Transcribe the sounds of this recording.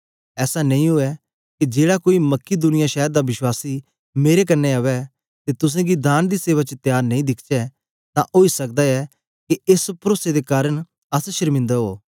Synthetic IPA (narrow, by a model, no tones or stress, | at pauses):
ɛːsanɐ̃ĩɦʊɛ | kid͡ʒeːɽakoːimɐkːid̪ʊnɪjaʃɛːəɾd̪aʋɪʃwaːsi | meːɾek̬ɐnːɛɐʋɛ | t̪et̪ʊs̬ẽɡid̪aːnd̪iseːʋat͡ʃət̪jaːɾnɐ̃ĩd̪ɪkʰt͡ʃɛ | t̪ãʔoːisɐk̚d̪aɛ | kiespɾoːsed̪ekaːɾəñ | ɐsʃəɾmɪ̃nd̪əɦoː